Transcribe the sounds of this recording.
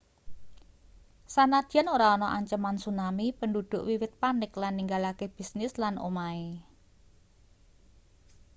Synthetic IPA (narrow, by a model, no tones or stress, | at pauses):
sanad̪̥a̤noɾaɔnɔʔaɲt͡ʃəmansunamipəndud̪̥ʊ̤ʔwiwɪt̪̚panɪklanːiŋɡalakeb̥i̤snɪslanʔo̰mae